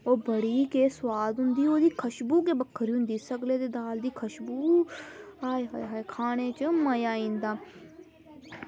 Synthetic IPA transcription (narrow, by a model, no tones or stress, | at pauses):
oːbəɽiːkeːswaːd̪ɦʊ̃nd̪iːoːd̪iːkʰəʃbuːk̬eːbəkʰːəɾiʊnd̪iːsəkleːt̪eːd̪aːld̪iːkʰəʃbuː | aːiɦaːjɦaːikʰaːneːt͡ʃəməjaːĩːnd̪aː